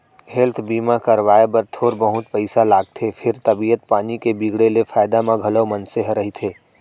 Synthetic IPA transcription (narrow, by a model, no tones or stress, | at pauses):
ɦɛlt̪ʰbiːmakɐɾʋaːebɐɾt̪ʰoːɾbəɦʊt̪pəɪsalaːɡ̚t̪ʰefʰɪɾt̪ɐbijət̪̚paːnikebiːɡɽelefaːɪd̪amãɡʱɐləwmɐ̃nseɦɾɐɦit̪ʰeː